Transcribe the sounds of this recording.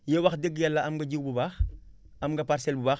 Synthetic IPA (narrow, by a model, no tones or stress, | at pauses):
jɛwɐxdəɡjalːɐɐmɡɐɟuwbubaːx | ɐmŋɡɐpaɾsɛlbubaːx